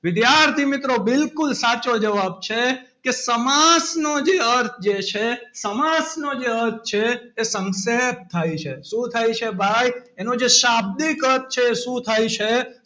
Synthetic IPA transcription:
ʋɪd̪jaɾt̪ʰimɪt̪ɾobɪlkʊlsat͡ʃod͡ʒəʋab̚t͡ʃʰe | kesəmasnod͡ʒeəɾt̪ʰd͡ʒet͡ʃʰesəmasnod͡ʒeəɾt̪̚ʰt͡ʃʰeːsə̃ŋsep̚t̪ʰajt͡ʃʰesũt̪ʰajt͡ʃʰebʱajenõd͡ʒeʃab̚d̪ikəɾt̪̚ʰt͡ʃʰeːʃũt̪ʰajt͡ʃʰe

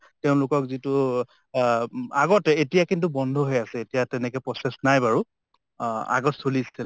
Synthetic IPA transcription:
teʊ̃lʊkɔkzitu | aɡɔtɛetijakint̬ubɔndʱɔɦojasɛetijatɛnɛkɛpɹɔsɛsnajbaɹu | a̰ɡɔtsolistʰil

